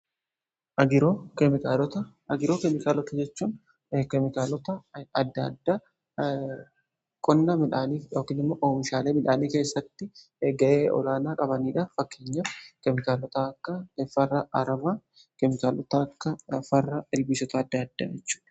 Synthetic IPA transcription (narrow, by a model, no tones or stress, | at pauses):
ʔɐɡɪɾoːkɛmɪkalɔt̪ɐ | ɐɡɪɾoːkɛmɪkaːlɔt̪ɐd͡ʒɛt͡ʃːuːn | kɛmɪkaːlɔt̪ɐɐd̪ːɐd̪ːaː | kʼɔnːɐmɪᶑaːniːfjoːkiːnɪmːoːʔoːmɪʃaːleːmɪᶑaːniːke̞ːsːɐt̪ːɪ | ɡɐʔeːʔɔ̰laːnaːkʼɐbɐniːᶑɐfɐkːeːɲːɐfkɛmɪkaːlɔt̪ɐɐkːɐɛfɐrːɐʔɐɾɐmaː | kɛmɪkaːlɔt̪ɐkːɐfɐrːɐɪlbiːsɔt̪ɐːd̪ːaɐd̪̥ːa̰ːd͡ʒɛt͡ʃːu̥ːᶑɐ̥